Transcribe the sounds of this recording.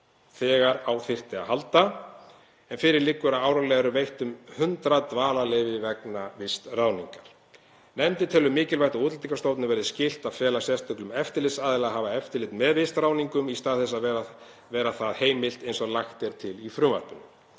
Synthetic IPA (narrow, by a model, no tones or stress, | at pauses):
θɛːɣaɾawθɪr̥t̪ɪa̰halt̪a | ɛnfɪɾɪɾlɪkːʏɾaaːwɾawlɛɣaɾʏvejht̪ʏmhʏnt̪ɾat̪vaːlalɛjvɪvɛknavɪst̪raːwniŋkaɾ̥ | nɛmt̪ɪt̪ʰɛːlʏmːɪːcɪlvajht̪auːt̪lt̪ʰiŋkast̪owt̪nʏvɛɾðɪscɪl̥t̪avfɛːlḁsjɛst̪ʰœklʏmɛft̪ɪɾlɪsaːðɪlaðɦaːvaɛft̪ɪɾlɪt̪mɛðvɪst̪raːwniŋkʏmist̪aːðθɛsːaðɛ | vɛːɾaθaðheːjmɪl̥t̪ejnsɔɣlaxt̪ɛɾ̥t̪ʰɪlifɾʏːma̰r̥pʏnːʏ